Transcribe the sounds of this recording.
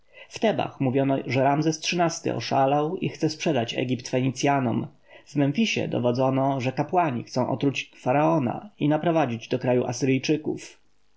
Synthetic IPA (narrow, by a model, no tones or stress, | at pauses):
ft̪ɛba̰xmuvʲjɔnɔʐɛɾamzɛstʂɘnast̪ɘ̰ʔɔ̰ʂalawixt̪sɛspʂɛd̪at͡ɕɛ̰ɡʲipt̪fɛɲit̪sʲjanɔm | vmɛnfʲiɕɛ̰d̪ɔ̰vɔd̪zɔnɔʐɛkapwaɲixt̪sɔ̃w̃ʔɔ̰t̪ɾut͡ɕfaɾaɔna̰inapɾɔvad͡ʑid͡ʑd̪ɔkɾajuʔasɘɾɘjt͡ʂɘkṵf